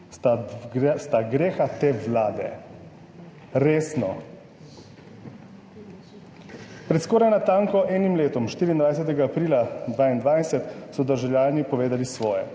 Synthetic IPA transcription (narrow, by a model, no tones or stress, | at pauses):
ast̪aɡɾeːxat̪eʋlaːd̪ɛ̰ | ɾeːsnɔ | pɾɛt̪skɔːɾajnat̪aːŋkɔʔɛːnimleːt̪ɔmʃt̪iːɾiːnd̪ʋajs̬ɛt̪̬ɛɡaːpɾiːlad̪ʋaːind̪ʋaːjsɛt̪sɔd̪əɾʒɛwljaːlnipɔʋeːd̪alisʋɔːjɛ̰